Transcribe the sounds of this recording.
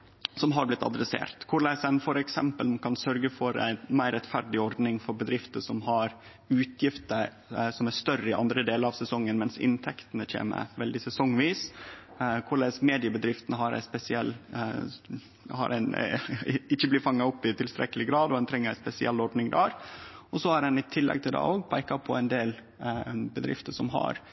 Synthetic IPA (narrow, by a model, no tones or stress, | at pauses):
sɔmɦɑɾblɪt̪ʰːɑ̰d̪ɾɛsḛːɾt̪kʰʊɭæsæɪnfɔɾɛksɛmpəlkʰɑnsœɾɡəfɔɾæ̰ɪnmæɪɾɛt̪fæɾɖɪɔɾɖ̪nɪŋfɔɾbəd̪ɾɪft̪əʂɔmɦɑɾ | ʉːt̪ʰjɪft̪əɾ | sɔmæʂt̪œrəɪʔɑ̰nd̪ɾəd̪eːləɾɑʋsɛsɔŋːənmɛnsɪ̰nt̪ʰɛkt̪ənəc͡çʰḛːmə̰ʋɛld̪ɪsɛsɔŋʋiːs | kʰʊɭɛsmeːd̪ɪəbəd̪ɾɪft̪ənəɦɑɾæ̰ɪspɛsɪɛlː | hɑ̰ɾæɪn | ɪçːəblɪfɑŋːɑɔpːɪt̪ʰɪlst̪ɾɛ̰kːəlɪɡɾɑːd̪ɔd̪ɛnt̪ʰɾɛŋːəɾæɪspɛsɪʔɛlːɔɾɖ̪nɪŋd̪æːɾɔsɔɑɾɛnɪt̪ʰɪlːɛ̰ɡ̚t̪ʰɪld̪ɑ̰oːɡpʰæɪkɑpʰɔæɪnd̪eːl | bəd̪ɾɪ̰ft̪əʂɔmɦɑ̰ɾ